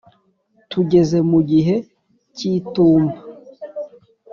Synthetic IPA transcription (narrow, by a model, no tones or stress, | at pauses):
tuɟe̞ze̞muɟiɦe̞ | cituːmba